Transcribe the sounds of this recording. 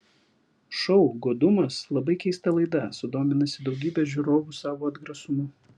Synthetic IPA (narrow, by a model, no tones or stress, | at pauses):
ʃɔʊɡoːd̪ʊmɐslˠɐbɐɪkʲɛɪst̪ɐlˠɐɪd̪ɐsʊd̪oːmʲɪnɐsʲɪd̪ɒʊɡʲiːbʲɛʒʲʊɾoːʋʊsɑːʋoːɐd̪ɡɾɐsʊmʊ